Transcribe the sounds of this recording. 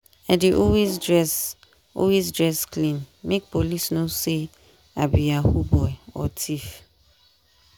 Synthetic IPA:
adeʔɔwezdɹɛs | ɔ̰wezdɹɛsklĩnmek̚polisnose | abiahubɔɛɔ̰tʰif

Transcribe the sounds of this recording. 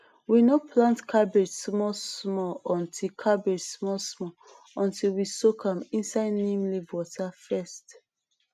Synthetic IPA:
winɔpʰlãntkʰabed͡ʒsmɔsmɔɔ̃ntʰikʰabed͡ʒsmɔsmɔ | ɔ̃ntilwisokʰãmĩnsaɪdnẽmlivwɔtʰafɛst

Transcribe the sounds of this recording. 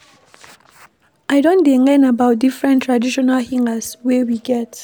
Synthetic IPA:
ʔajdɔ̃ndɛ̃ŋɛ̃nabawt̚difɹɛ̃ntʰːɹadiʃɔnalhĩŋaswɛwiɡɛt

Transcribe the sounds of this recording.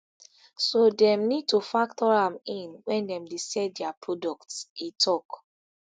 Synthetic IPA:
sodɛ̃mnid̚tufak̚tʰɔɹãmĩnwɛ̃ndɛ̃mdesɛdɛapʰɹɔdɔk̚tsitʰɔk

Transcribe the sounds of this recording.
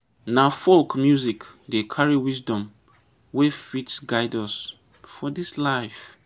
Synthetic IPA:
nafolkmjuzikdekʰaɹiwisdɔ̃m | wefitsɡaɪdɔs | fɔdislaɪf

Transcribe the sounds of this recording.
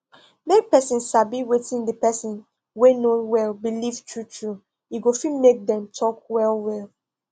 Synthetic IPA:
mek̚pɛsĩnʃabiwetĩndəpɛsĩn | wenowɛlbiliv̥tʰɹutʰɹu | juɡofilmek̚dɛ̃mtʰɔkwɛlwɛl

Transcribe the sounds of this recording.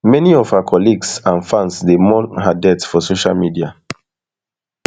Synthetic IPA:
mɛniɔfhaakʰɔliɡsãnfãnsdemɔɦadɛtfɔsoʃa̰lmidia

